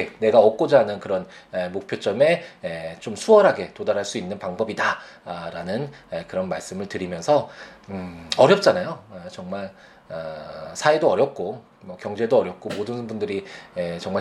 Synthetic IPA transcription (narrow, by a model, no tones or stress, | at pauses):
ene̞ɡaʌk̚k͈od͡ʑaɦnɯnkɯɾʌnemok̚pʰjot͡ɕ͈ʌme̞et͡ɕomsʰuʌɾɦaɡe̞todaɾaɭs͈uinːɯnpaŋbʌbidaɾanɯnekɯɾʌnmaɭs͈ɯmɯɭtɯɾimjʌnsʰʌ | ʌɾjʌp̚t͡ɕ͈anajoet͡ɕʌŋmaɭ | sʰaedoʌɾjʌp̚k͈o | mʌkjʌŋd͡ʑe̞doʌɾjʌp̚k͈omodɯnbundɯɾiet͡ɕʌŋma